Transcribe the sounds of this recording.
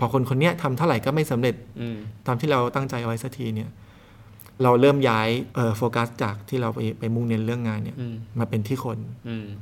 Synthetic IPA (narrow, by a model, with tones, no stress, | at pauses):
pʰɔː˧˩kʰo˧nkʰo˧nːi˦˥ɐt̪ʰa˧mt̪ʰa˥˩wɾa˨˩˦jkɔː˥˩ma˥˩jsa˩˦mɾe˨˩t̪̚ːaː˧mt̪ʰiː˥˩ɾa˧wt̪a˥˩ŋt͡ɕa˧jʔa˧wa˦˥jsa˦˥t̪ʰiː˧ni˥˩ɐ | ɾa˧wɾɤː˥˩mjaː˦˥jʔɤː˨˩foː˧ka˦˥st͡ɕaː˨˩k̚t̪ʰiː˥˩ɾa˧wpa˧jpa˧jmu˥˩ŋne˧nɾɯ˥˩əŋːaː˧nːi˥ɐmaː˧pe˧nt̪ʰiː˥˩kʰo˧n